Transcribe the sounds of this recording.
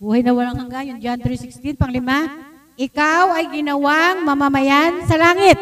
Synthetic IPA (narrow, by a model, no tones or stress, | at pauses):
buːhɐjnɐwɐlaŋhɐŋɡaŋjʊnd͡ʒant̪ɾisɪkst̪ɪnpɐŋlɪma | ʔɪkawɐjɡɪnɐwaŋmɐmɐmɐjansɐlaːŋɪt̪̚